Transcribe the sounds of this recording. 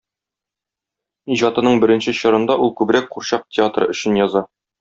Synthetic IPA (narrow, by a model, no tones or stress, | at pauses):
iʑɑt̪ɤ̆nɤɴbɘ̆ɾɘ̆nɕɘɕɤ̆ɾɤ̆nd̪ɑʔulˠkʉbɾæk̚quɾɕɑq̚tʲʰɪat̪rɤ̰ɵ̆ɕɘ̆njɒzɑ